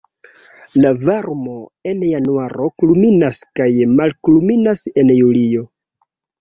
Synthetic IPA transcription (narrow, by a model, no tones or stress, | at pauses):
lavaɾmo̞e̞njanuaɾo̞kluminaskajmalkuluminase̞njulio̞